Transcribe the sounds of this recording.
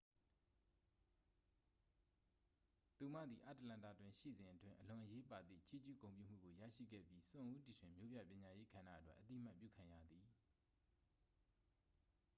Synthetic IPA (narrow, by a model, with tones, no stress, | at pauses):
t̪u˨mä̰˦˨d̪ði˨ʔa˦˨tə˨lã˨nta̰˦˨twɪ̃˨ʃḭ˦˨zɪ̃˨ʔətwɪ̃˦˨ʔəlʊ̃˨ʔəje˦pa˨d̪ḭ˦˨t͡ɕʰi˦˨t͡ɕṵ˦˨kõ˨ʊ̃pjṵ˦˨m̥ṵ˦˨ɡo˨jä̰˦˨ʃḭ˦˨ɡɛ̰˦˨pji˦sʊ̃˨ʔu˦ti˨ʃwɪ̃˨mjo˦bja̰˦˨pjɪ̃˨ɲa˨je˦ɡ̥ã˨na̰˦ʔətwɛ̰˦ʔət̪i˦˨m̥a˦ʔpjṵ˦˨kʰã˨jä̰˦˨d̪i˨